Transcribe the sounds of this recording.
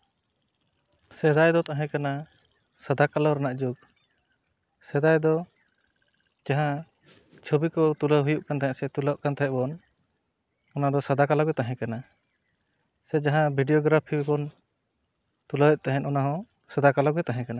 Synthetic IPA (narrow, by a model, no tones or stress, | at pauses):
sɛd̪ajd̪ɔt̪aɦɛ̃kana | sad̪akalaɾanaʔd͡ʒuɡ̚ | sɛd̪ajd̪ɔ | d͡ʒaɦã | t͡ʃʰobikɔt̪ulaɦujuʔkant̪aɦɛ̃ʔsɛt̪ulaʔkant̪aɦɛ̃ʔbɔn | ɔnad̪ɔsad̪akalaɡɛt̪aɦɛ̃kana | sɛd͡ʒaɦãbʱiɖiɔɡɾapʰibɔn | t̪ulawɛʔ̪̚t̪aɦɛ̃nʔɔnaɦɔ̃ | sad̪akalɔɡɛt̪aɦɛ̃kana